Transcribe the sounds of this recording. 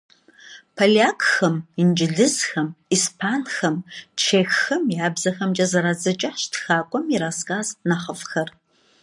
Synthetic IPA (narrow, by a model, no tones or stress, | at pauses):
pʰalaːkxɐmind͡ʒɪɮɨzxɐmispʰaːnxɐmt͡ʃʰeːxːɐmjaːbzɐxɐmt͡ʃʼɐzɐɾaːd͡zɐt͡ʃʼɐħʃtxaːkʷʼɔmiɾaːskʼaːznaχɐfxɐr